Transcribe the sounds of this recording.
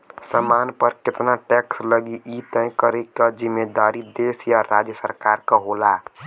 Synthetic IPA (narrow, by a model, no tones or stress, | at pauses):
səmaːnpəɾkɪt̪naʈɛksləɡiʔit̪ə̃kəɾekad͡ʒɪmːed̪aːɾid̪eːsjaɾaːd͡ʒjəsəɾkaːɾkaɦola